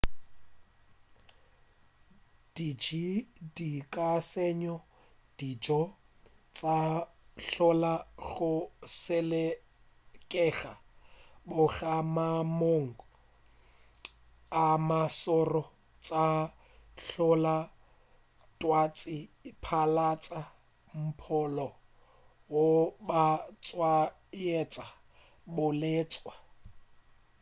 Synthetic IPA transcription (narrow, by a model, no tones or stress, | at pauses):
d̥id͡ʒidikʼasɛɲɔ | d̥id͡ʒɔ | t͡sʼa | ɬɔlaɣʊsɛlɛ | kʼɛɣa | bʊɣamamoŋ̩ | amasɔrɔ | t͡sʼa | ɬɔla | tʼwat͡sʼɪpʰalat͡sʼa | m̩pʰɔlɔ | wobat͡sʼwa | jɛt͡sʼa | bʊleːt͡sʼwa